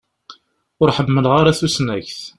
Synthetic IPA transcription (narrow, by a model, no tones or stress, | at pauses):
ʊɾħəmːəlʁaɾaθusnæçθ